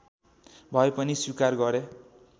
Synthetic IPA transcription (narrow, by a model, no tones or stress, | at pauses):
bʱʌepʌniswikarɡʌɾe